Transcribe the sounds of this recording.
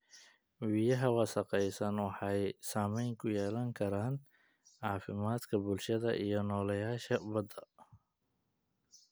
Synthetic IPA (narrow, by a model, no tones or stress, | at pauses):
wijɐɦɐwɑsɑqɛjsɐnwɑħɑjsaːmɛjŋkʰʊjɛːlɐŋkʰɐɾaːn | ʕɑːfɪmaːd̪kʰɐbʊlʃɐðɐʔijɞnɔːlɐjaːʃɐbɐd̪ɐ